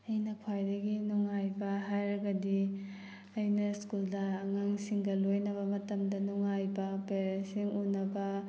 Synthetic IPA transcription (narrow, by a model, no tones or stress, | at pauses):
ɐjnɐkʰwajdɐɡinuŋajbɐɦajɾɐɡɐdi | ɐjnɐskuldɐŋaŋsiŋɡɐlojnɐbɐmɐtɐmdɐnuŋajbɐpeɾesiŋunɐbɐ